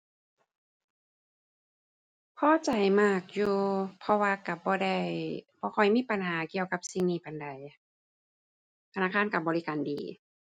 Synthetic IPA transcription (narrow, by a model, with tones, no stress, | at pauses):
pʰɔː˧˨t͡ɕa˨˩jmaː˧˩k̚juː˧pʰɔ˧waː˧ka˧˩bɔː˧˦da˧˩jb̥ɔː˧˦kʰɔ˨˧˩jmiː˧˥˨pa˨nɦaː˨˦ki˧˨əwka˧˦p̚si˧ŋniː˧˩pa˨nda˨˩j | t̪ʰa˧naː˧˥˨kʰaː˧˥˨nka˧˩bɔː˨li˧kaː˨ndiː˨˩